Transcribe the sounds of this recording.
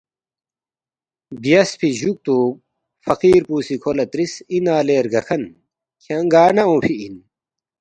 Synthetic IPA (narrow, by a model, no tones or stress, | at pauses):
bijɐspʰiʑuk̚t̪u | fɐqiːɾpuːsikʰolɐt̪ɾisinaːleːɾɡɐkʰɐn | kʰɐŋɡaːnɐõːpʰiin